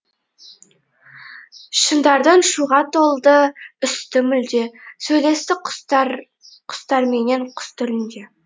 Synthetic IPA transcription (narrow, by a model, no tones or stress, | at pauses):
ʃənd̪ɑɾd̪əɴʃuʁɑt̪ʰo̞lˠd̪əʏst̪ɪmʏld̪e̞sɵjle̞st̪ɪqɾ | qʰʊ̥st̪ɑɾmeneɴqʰʊ̥st̪ʰʏlɪnd̪e̞